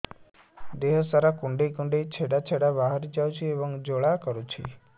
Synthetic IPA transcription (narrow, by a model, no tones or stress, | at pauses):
d̪eɦəsaɾakũɳɖekũɳɖejt͡ʃʰeɽat͡ʃʰeɽabaɦaɾid͡ʒaut͡ʃʰieʋəŋd͡ʒoɭakəɾut͡ʃʰi